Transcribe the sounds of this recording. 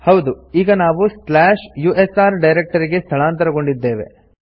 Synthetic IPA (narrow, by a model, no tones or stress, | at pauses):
hɐwd̪uiːɡɐnaːʋusplaːʂjuːʔesaːɾɖɐjɾek̚ʈɐɾiɡe̞st̪ʰɐɭaːnt̪ɐɾɐɡo̞ɳɖid̪ːe̞ːʋḛ